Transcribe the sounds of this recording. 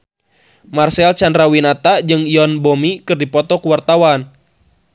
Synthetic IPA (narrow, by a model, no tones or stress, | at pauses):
marsɛlt͡ʃandɾawinat̪ad͡ʒɨŋiɔnbɔmikɨrdipɔt̪ɔkuwart̪awan